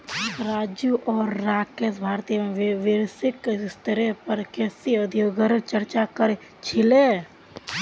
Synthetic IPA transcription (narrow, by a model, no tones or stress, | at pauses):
ɾaːd͡ʒjuʔɔːɾːaːkesbʱaːɾt̪ijmẽʋʋɪɾsɪkst̪ʰəɾepəɾkesiəd̪ʱjoɡəɾt͡ʃəɾt͡ʃakəɾe | t͡ʃʰɪle